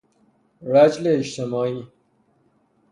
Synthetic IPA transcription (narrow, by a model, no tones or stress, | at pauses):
ɾæd͡ʒleːt͡ʃt̪ʰemɒːiː